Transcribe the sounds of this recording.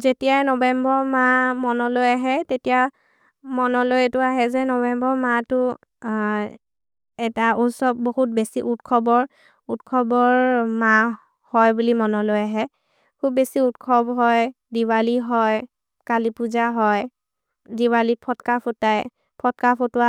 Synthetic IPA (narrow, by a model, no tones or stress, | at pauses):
zetijanɔbɛmbɔɹmamɔnɔlojaɦɛtetija | mɔnɔlojtʊaɦɛzɛnɔbɛmbɔɹmatʊ | ɛtausɔb̚boɦut̚besiʔutkʰɔbɔɹ | utkʰɔbɔɹma | hɔjbulimɔnɔlojaɦɛ | kʰub̚ːesiutkʰɔbɦɔj | diwaliɦɔj | kalipuzaɦɔj | diwalipʰɔtkapʰotaj | pʰɔtkapʰotʊa